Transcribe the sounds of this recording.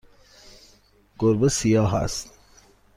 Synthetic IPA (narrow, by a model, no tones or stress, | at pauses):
ɡ̥oɾbesijɑːɦæ̰st̪